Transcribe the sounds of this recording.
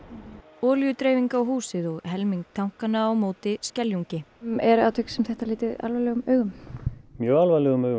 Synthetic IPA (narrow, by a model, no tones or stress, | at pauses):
ɔːljʏt̪ɾeːjviŋkawɦuːsɪðɔɣɦɛlmiŋk̚t̪ʰawŋ̥kanaːwmoːwt̪ɪscɛljuɲcɪɛɾa̰wt̪ʰʏksɛmθɛht̪alɪːt̪ɪða̰lvalɛɣʏmœːɥɣʏmmjœːɣalvalɛɣʏmœːɥɣʏ